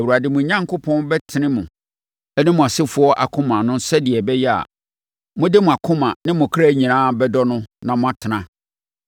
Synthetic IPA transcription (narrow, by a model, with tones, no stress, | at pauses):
ɛ˨wa˨dɪ˨mʊ̃˨ɲã˦ŋkʊ˦pʰɔ̃˦nbɛ˦tʰɪ˨nɪ̃˦mʊ̃˨ | ɛ˦nɪ̃˦mʊ̃˨a˨sɪ˦fʊ˨˦ɔ˦ʔa̰˨kʰʊ̃˦mã˨nʊ̃˦sɛ˦dɪ˨ɛ˨bɛ˦jɛ˦a̰˨ | mʊ̃˦dɪ˦mʊ̃˨a˨kʰʊ̃˦mã˨nɪ̃˦mʊ̃˨kʰɾæ˦ɲĩ˨nãː˦bɛ˦dɔ˦nʊ̃˦nã˨mʊ̃˦a˨tʰɪ˨nã˨˦